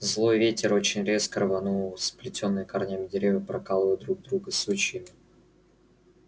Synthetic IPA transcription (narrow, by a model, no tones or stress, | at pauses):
zlˠo̞jvʲetʲɪɾo̞t͡ɕɪnʲɾʲe̞skəɾəvɐnuəsplʲɪtʲo̞nːɨjɪkarnʲamʲɪdʲɪɾʲevjəpɾɐkalˠəvd̪ɾuɡ̚d̪ɾuɡəsut͡ɕɪjɪmʲɪ